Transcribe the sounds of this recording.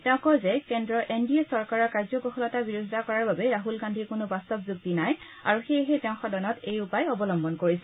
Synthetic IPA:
tɛʊ̃kɔzɛkɛndɹɔʔendiesɔɹkaɹɔɹkaɹzɔkɔxɔlɔtabiɹusitakɔɹaɹbabɛɹaɦulɡandʱiɹkʊnʊbastɔb̚zuɡ̚tinaj | a̰ɹuxejɦetɛʊ̃xɔdɔnɔtejupajɔbɔlɔmbɔnkoɹisɛ̥

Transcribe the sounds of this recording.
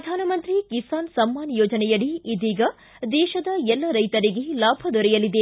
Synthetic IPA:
ɾɐd̪ʱaːnɐmɐnt̪ɾikisaːnsɐmːaːnjɔːd͡ʒɐnɛjɐɽiːd̪iːɡɐ | d̪ɛːʃɐd̪ɐɛlːɐɾɐjt̪ɐɾiɡelaːbʱɐd̪ɔɾɛjɐlid̪e

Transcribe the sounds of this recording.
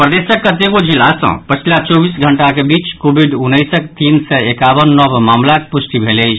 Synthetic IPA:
pɾəd̪esəkːət̪eɡod͡ʒilːasə̰̃pət͡ʃʰilat͡ʃɔbisɡʱəɳʈakebit͡ʃkobʱiɖunːəjsəkt̪insɛekabənːəbmamlakepusʈ̪ibʱeleɪt͡ʃʰ

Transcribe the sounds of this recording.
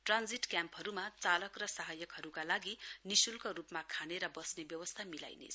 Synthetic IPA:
ʈrand͡ziʈkjampɦʌɾumat͡salʌkrʌsaɦʌjʌkɦʌɾukalaɡinisulkoɾupmakʰaneɾʌbʌsnebjʌwʌst̪ʰamila̰jnḛt͡sʰ

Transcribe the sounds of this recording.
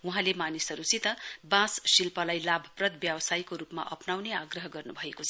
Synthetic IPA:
uɦãlemanisʌɾut͡sit̪ʌbãssilpʌlajlabʱʌ̥prʌd̪̚bjabsajkoɾupma̰ʔʌpnawneaɡrʌɦʌɡʌrnubʱʌekot͡sʰʌ

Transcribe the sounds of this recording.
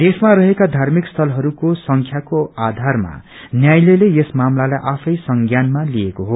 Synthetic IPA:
d̪esmaɾʌɦekad̪ʱarmikst̪ʰʌlɦʌɾukosʌŋkʰjakoad̪ʱarma̰ | njajleleesmamlalajʔapʰʌjsʌŋɡjanmalijekoɦo

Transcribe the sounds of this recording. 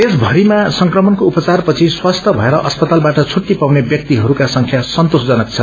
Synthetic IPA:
esbʱʌɾimasʌŋkrʌmʌnkoupʌt͡sarpʌt͡sʰiswast̪ʰʌbʱʌeɾʌʔʌspʌt̪albaʈʌt͡sʰuʈːipawnebjʌk̚t̪iɦʌɾukasʌŋkʰjasʌnt̪osd͡zʌnʌk̚t͡sʰʌ

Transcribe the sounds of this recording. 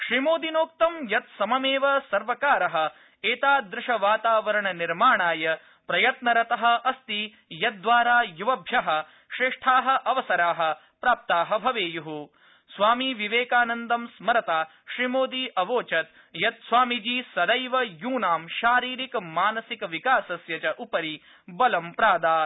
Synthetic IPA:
ʃɾimoːd̪inoːk̚t̪ɐmjɐt̪sɐmɐmeːʋɐsɐɾʋɐkaːɾɐɦɐ̆ | eːt̪aːd̪ɾɪʃɐʋaːt̪aːʋɐɾɐɳɐniɾmaːɳaːjɐ | pɾɐjɐt̪nɐɾɐt̪ɐɦɐ̆ɐst̪i | jɐt̪̚d̪ʋaːɾaːjuʋɐbʱjɐɦɐ̆ | ʃɾeːʂʈʰaːɦɐ̆ʔɐʋɐsɐɾaːɦɐ̆ | pɾaːp̚t̪aːɦɐbʱɐʋeːjuɦu | sʋaːmiʋiʋeːkaːnɐnd̪ɐmsmɐɾɐt̪aː | ʃɾimoːd̪iːʔɐʋoːt͡ʃɐt̪ | jɐt̪̚sʋaːmid͡ʒiːsɐd̪ɐjʋɐjuːnaːmʃaːɾiːɾikmaːnɐsikɐʋikaːsɐsjɐt͡ʃɐʔupɐɾi | bɐlɐmpɾaːd̪aː

